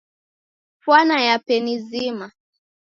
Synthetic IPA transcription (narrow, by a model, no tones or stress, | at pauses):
fwanajapɛnizima